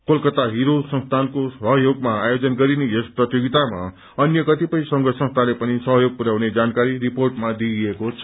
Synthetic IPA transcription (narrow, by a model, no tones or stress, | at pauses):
kolkʌt̪aɦiɾosʌ̃nst̪ʰankosʌɦʌjoɡmaajod͡zʌnɡʌɾinejesprʌt̪joɡit̪ama̰ | ʌnjʌkʌt̪ipʌjsʌŋɡʌsʌ̃nst̪ʰalepʌnisʌɦʌjoɡ̚puɾawned͡zankaɾiɾiporʈmad̪iekot͡sʰʌ̥